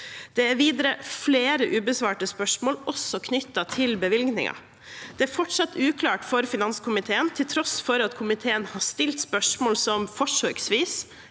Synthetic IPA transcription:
d̪̥ɛæɾʋiːd̪əɾəfleːɾəʔʉːbəsʋɑːʈəspœʂmoːlʔɔsːɔkʰnʏt̪ːɑt̪ʰɪlbəʋɪlɡnɪ̰ŋɑ̰ | d̪̥ɛæɾfɔʈsɑt̪ːʉːkʰlɑːʈfɔɾfɪnɑnskʰʊmɪt̪ʰeːənt̪ʰɪlt̪ʰɾɔsfɔɾɑt̪kʰʊmɪt̪ʰeːənhɑːʂt̪ɪlt̪spœʂmoːlsɔmfɔʂœːɡsʋiːs

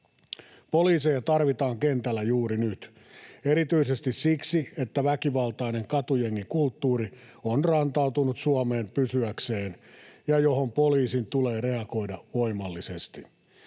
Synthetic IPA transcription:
po̞liːsejɑt̪ɑrʋit̪ɑːŋke̞nt̪ælːæjuːɾinyt̪ | e̞ɾit̪yisest̪issiksie̞t̪ːæʋækiʋɑlt̪ɑine̞ŋkɑt̪ujeŋːikult̪ːuːɾi | onrɑnt̪ɑut̪unut̪suɑme̞ːmpysyækse̞ːnjɑjo̞ɦompo̞liːsint̪ule̞ːre̞ɑko̞jdɑʋo̞jmɑlːise̞st̪i

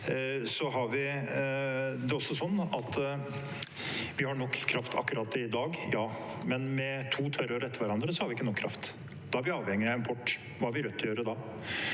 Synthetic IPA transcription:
sɔɦɑɾʋɪ | d̪ɛɔsːɔsɔnːɑt̪ | ʋɪhɑɳɔkːkʰːɾɑft̪ʰɑ̰kːʉɾʔɑːt̪ɪd̪ɑːɡjɑːmɛnmɛt̪ʰuːt̪ʰœɾəɾɛt̪ːəɾʋæɾɑnd̪ɾəsɔhɑɾʋɪɪkːənɔːkʰɾʔɑ̰ft̪ | d̪̥ɑɑɾʋɪɑːʋhɛŋːɪɪnpʰɔʈː | ʋɑhæɾʋɪɾœt̪ːɔjøːɾəd̪ɑː

